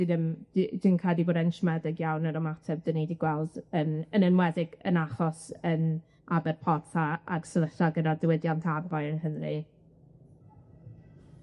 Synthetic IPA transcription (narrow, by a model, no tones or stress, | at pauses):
d̥inənd̥inkʰadˠiboːdɛnʃmɛdɪɡjawnəɾɔmatʰɛv̚d̥ənidiɡwɛlˠdənənənwɛðɪɡ̥ə̰naχɔsən | abɛrpʰɔrtʰaa̰rsələɬaɡənardəwɪdjantʰavajənɦənri